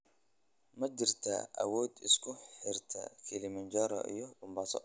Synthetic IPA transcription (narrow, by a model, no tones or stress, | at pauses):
mɐd͡ʒɪrt̪ʰɐ̰ɐ̰wɔːd̪ɪskʰʊħɪrt̪ʰɐ̰kʰɪlɪmɐnd͡ʒɔɾɐ̰ʔḭjɔbʊmbasɔ̰